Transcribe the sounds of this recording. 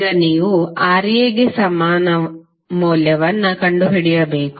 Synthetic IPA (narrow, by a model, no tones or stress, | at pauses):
ɡɐniːʋuaːɾijeːɡesɐmaːnɐ | muːljɐʋɐnːɐkɐɳɖuɦiɽɛjɐbeːk